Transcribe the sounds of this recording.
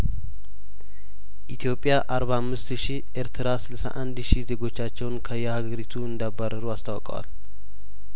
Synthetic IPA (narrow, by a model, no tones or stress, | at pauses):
ʔit̪ʰijo̞pʼjaʔaɾβahamːɨst̪ʃi | ʔeɾt̪ʰɾasɨlsa̰ʔand̪ʃize̞ɡo̞t͡ʃːat͡ʃːɛwnkʰəjɛhaɡəɾit̪ʰuɨnd̪abːaɾəɾuast̪ʰawɔkʼə̰wa̰l